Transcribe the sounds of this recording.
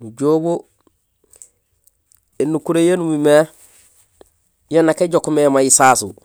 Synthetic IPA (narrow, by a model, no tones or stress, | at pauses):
muɟobo | enukuɾejenumime | jonakeɟokumemajisaːsṵ